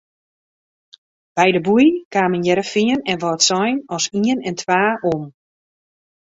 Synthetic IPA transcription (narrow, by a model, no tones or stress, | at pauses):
b̥ɛjdəbujkaːmənjɛɾəfiənɛnʋɔtsɔjnɔsiənɛntʰʋaːʔom